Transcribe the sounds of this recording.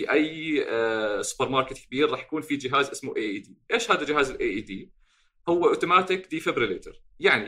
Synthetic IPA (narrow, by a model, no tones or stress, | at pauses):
iʔaj | sʊ̥pəɾmɑːɾˤkɪt̪kɪbiːɾɾˤɑːħjakuːnfid͡ʒɪɦaːzʔɪsmuʔeːʔiːd̪iːʔeːʃhaːðad͡ʒɪɦaːzɪlʔeːʔiːd̪iː | hʊwːaʔoːt̪umaːt̪ɪkd̪iːfebɾɪleːt̪ɪ̰ɾjaʕni